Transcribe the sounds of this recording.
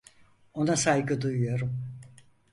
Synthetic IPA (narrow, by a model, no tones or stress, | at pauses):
o̞nasajɡɯd̪ujujo̞ɾum